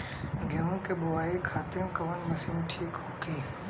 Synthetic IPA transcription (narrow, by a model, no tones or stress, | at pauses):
ɡjãũkebʊʋaːikʰaːt̪ɪmkɐʋənmɐsiːnʈʰiːkɦoːkiː